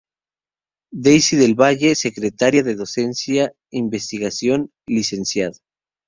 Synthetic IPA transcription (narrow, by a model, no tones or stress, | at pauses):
d̪ejsiðe̞lβaʝe̞se̞kɾet̪aɾjaðeðo̞se̞nsja | imbe̞st̪iɣasjo̞n | lise̞nsjaða